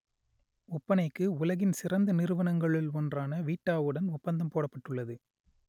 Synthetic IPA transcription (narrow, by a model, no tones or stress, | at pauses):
ʊpːɐnɐɪkːɯʊlɐɣɪnsɪrɐnd̪ɐnɪɾɯʋɐnɐŋɡɐɭɪlɔndraːnɐʋiːʈːaːʋɯɽɐnʊpːɐnd̪ɐmpoːɽɐpːɐʈːɯɭːɐðɯ